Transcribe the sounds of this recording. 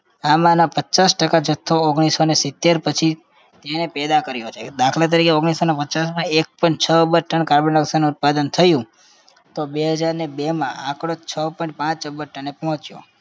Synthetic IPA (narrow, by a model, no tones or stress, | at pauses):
amãnapət͡ʃasʈəkad͡ʒət̪ʰːoːɡɳ̃isonesɪt̪ːeɾpət͡ʃʰi | t̪enepɛd̪akəɾjot͡ʃʰed̪akʰlat̪̬əɾikeoɡɽ̃isonapət͡ʃasmãek̚pəɳt͡ʃʰəəbəɾʈəɳkaɾbənəksanuːt̪̚pad̪ənt̪ʰəjũ | t̪obeɦəd͡ʒaɾnebemã̰ʔakɽ̃ot͡ʃʰəpɔ̃ĩɳʈ̚pãt͡ʃəbəɾʈənːepɔɦɔ̃t͡ʃjo̰